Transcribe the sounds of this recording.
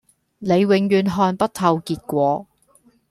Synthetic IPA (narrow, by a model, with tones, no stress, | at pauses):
ne˨˧jwɪ˨˧ŋjyː˨˧nɦɔː˧npɐ˥t̚t̪ʰɐ˨˧wkiː˧t̚kʷɔː˨˧